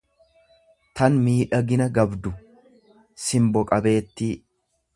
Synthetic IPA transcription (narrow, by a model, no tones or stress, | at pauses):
t̪ɐnmiːᶑɐɡɪnɐɡɐbd̪ʊ | sɪmbɔkʼɐbe̞ːt̪ːi